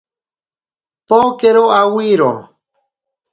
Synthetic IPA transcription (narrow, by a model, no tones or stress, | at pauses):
pokeɾoawiɾo̰